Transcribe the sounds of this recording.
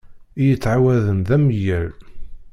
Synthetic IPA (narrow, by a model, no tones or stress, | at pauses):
ijət͡sːʕawæðənðæməjəɾ